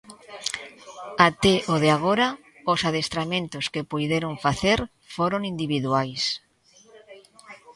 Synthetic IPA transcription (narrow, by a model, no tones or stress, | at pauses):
at̪eʔoðeaɣ̞oɾa | osaðest̪ɾamẽnt̪oskepujðeɾoɱfaθeɾ | foɾoŋind̪iβ̞iðuajs